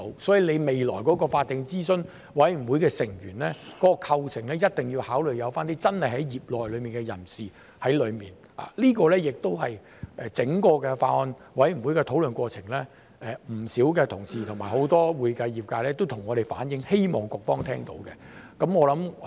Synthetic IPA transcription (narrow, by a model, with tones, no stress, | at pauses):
wsɔː˨˥ji˨˧le˨˧me˨jlɔː˨˩jkɔː˨˥kɔː˧faː˧t̪̚ːɪ˨˧ŋt͡siː˥sɵ˥n | wɐ˨˥jm̩˨˩wu˨˥jkɛː˧sɪ˨˩ŋjy̰ː˨˩nlɛː˥kɔː˨˦˥kɔ˧kʰɐ˧wt͡sʰɪ˨˩ŋlɛː˥jɐ˥t̚t̪ɪ˨ŋji˧whaː˨˥wlɵ˨ɥjɐ˨˧wfaː˥nt̪iː˥t͡sɐ˥nhɐ˨jhɐ˨˥jjiː˨p̚lɔː˨jlɵ˨˧miː˨nkɛ˧jɐ̰˨˩nsiː˨ | hɐ˨˥jlɵ˨˧ɥmiː˨˩n | a̰ː˨liː˥kɔː˧lɛː˥jɪ˨k̚t̪o˥whɐ˨j | ʔɛː˨˩t͡sɪ˨˥ŋkɔː˧kɛ˧faː˧ɔ˧n | wɐ˨˥jm̩˨˩wuː˨˥jkɛ˧t̪ʰo˨˥wlɵ˨nkʷɔː˧t͡sʰɪ˨˩ŋlɛː˥ | ɛ˨m̩˨˩siː˨˥wkɛ˧t̪ʰʊ˨˩ŋsiː˨t̪ʰʊ˨˩ŋmaː˨˩ho˨˥wt̪ɔː˥wuː˨˧jkɐ˧jjiː˨˩p̚kaː˧lɛː˥t̪wt̪ʰʊ˨˩ŋːɔː˨˧ɾe˨jfa̰ː˨˥njɪ˨˥ŋhe˥jmɔ̰ː˨ŋkʊ˨k̚fɔː˥ŋt̪ʰɛː˥ŋt̪o̰˨˥wkɛ˧ | kɐ˨˥mŋɔː˨˧lɐ˨˥m